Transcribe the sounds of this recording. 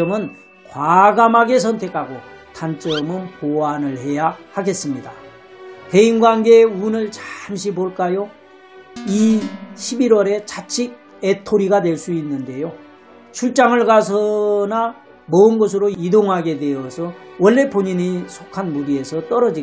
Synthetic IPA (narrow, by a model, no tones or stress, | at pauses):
ʌmɯn | kwaɡamɦaɡe̞s̬ʰʌntʰe̞kʰaɡo | tant͡ɕ͈ʌmɯnpoanɯɭhe̞jahaɡe̞s͈ɯmɲida | te̞inɡwanɡe̞unɯɭt͡ɕamɕ̬ʰiboɭk͈ajo | iɕʰibiɾwʌɾe̞t͡ɕat͡ɕʰiɡ̚ | e̞tʰoɾiɡadwe̞ɭs͈uinːɯnde̞jo | t͡ɕʰuɭt͡ɕ͈aŋɯɭɡasʰʌna | mʌɯnɡʌs̬ʰɯɾoidoŋɦaɡe̞dwe̞ʌsʰʌwʌɭːe̞poɲiɲisʰokʰanmuɾie̞sʰʌt͈ʌɾʌd͡ʑi